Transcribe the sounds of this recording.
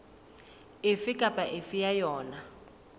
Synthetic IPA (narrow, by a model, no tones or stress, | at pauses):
efikʼapʼaʔefijajɔːna